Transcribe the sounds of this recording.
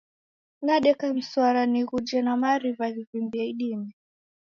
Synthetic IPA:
naɗɛkam̩swaɾaniɣud͡ʒɛnamaɾivaðivimbiɛiɗimɛ

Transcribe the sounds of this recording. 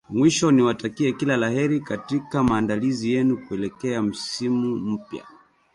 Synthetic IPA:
mwiʃɔniwatakiɛkilalaɦɛɾikatikamaːndalizijɛnukuɛlɛkɛam̩simum̩pja̰

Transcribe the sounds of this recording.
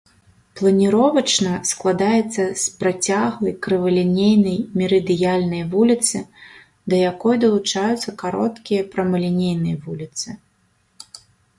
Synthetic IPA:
plˠɐnʲiɾɔvɐt͡ʂnɐsklˠad̪ajɛt̪sːɐspɾat͡sʲaɣlˠɐjkɾɨvɐlʲinʲejnɐjmʲɛɾɨd̪ɨjalʲnɐjvulʲit̪sɨ | d̪ɐjakɔjd̪ɐlˠut͡ʂajut̪sːɐkaɾɔt̪kʲijɐpɾɐmɐlʲinʲejn̪ɨjɐvulʲit̪sɨ

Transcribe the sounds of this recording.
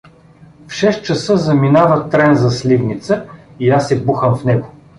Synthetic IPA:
fʃɛst̪t͡ʃɐsɤzɐminavət̪ɾɛnzɐslivnit̪səiasːɛbuxəmfnɛɡo

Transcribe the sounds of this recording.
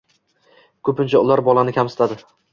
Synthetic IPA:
kʰɵpɪnt͡ʃʰaʊlaɾbɒlˠanɪkʲʰamsɪ̥t̪ʰad̪ɪ

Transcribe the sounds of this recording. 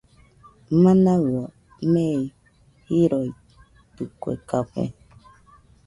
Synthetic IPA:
mãnawɔ | mej | hiɾoi | tukʷḛkakḛ̃

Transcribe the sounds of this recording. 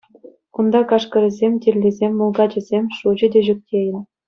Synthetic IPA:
und̪ɑkɑʂkɤ̆rʲɘ̆zʲemʲtʲerʲːezʲemʲːulˠɡɑd͡ʑɘ̆zʲemʲʂud͡ʑɘ̆dʲeʑyk̚ʲtʲʰejɘ̆

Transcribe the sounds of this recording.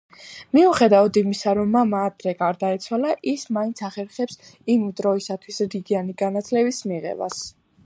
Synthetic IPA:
miuχɛd̪avad̪imisaɾɔmːamaːd̪ɾɛɡaɾd̪aɛt̪sʰwalaʔismaint̪sʰaχɛɾχɛpsimd̪ɾɔisat̪ʰwisɾiɡianiɡanat̪ʰlɛbismiʁɛ̰ba̰s

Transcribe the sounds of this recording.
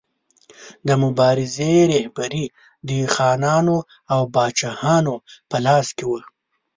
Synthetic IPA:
d̪əmʊbɑːɾɪzeɾehbaɾi | d̪ixɑːnɑːno | awbɑːt͡ʃahɑːnopəlɑːskewə

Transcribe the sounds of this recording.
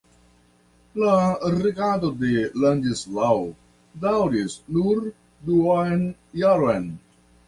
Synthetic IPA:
laɾeɡad̪od̪eland͡ʒislaw | d̪awɾisnuɾ | d̪uajnjaɾoen

